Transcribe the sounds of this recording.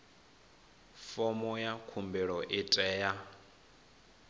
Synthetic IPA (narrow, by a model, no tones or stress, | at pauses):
fɔmɔjakʰumbɛɺɔʔitʼɛːja